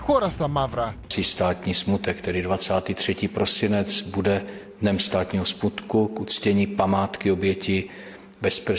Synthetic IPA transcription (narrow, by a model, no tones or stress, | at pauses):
xoɾast̪amavɾasiːst̪aːt̪ɲiːsmut̪ɛkt̪ɛdɪdvat͡saːt̪iːt̪r̝̥ɛciːpɾo̞sɪnɛt͡sbudɛ | dnɛmst̪aːt̪ɲiːɦosmut̪kukʔut͡scɛɲiːpamaːt̪kɪo̞bjɛcɪ | bɛspr̩